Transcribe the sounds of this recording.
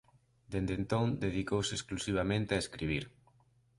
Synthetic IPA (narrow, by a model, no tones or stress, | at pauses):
d̪end̪ent̪õŋd̪eðikowsesklusiβ̞amẽnt̪eaeskɾiβ̞iɾ